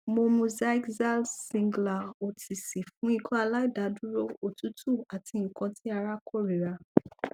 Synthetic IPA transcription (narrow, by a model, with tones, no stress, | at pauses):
mo˧mu˧za˦i˦kza˦lsĩ˧ŋɡla˨o˨tʰi˨si˨fũ˨˦i˧kʰɔ̃˦a˧la˦i˦˨da˨˦du˦ɾo˦˧o˨tu˨˦tʰu˦˨a˨ti˧ŋ̩˨kã˧tʰi˦a˧ɾa˦kʰo˦˨ɾi˨ɾa˧